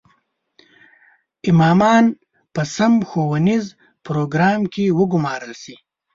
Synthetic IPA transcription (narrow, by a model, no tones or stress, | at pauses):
ɪmɑːmɑːn | pəsɐmxowɐniz | pɾoːɡɾɑːmkewəɡʊmɑːɾəlsi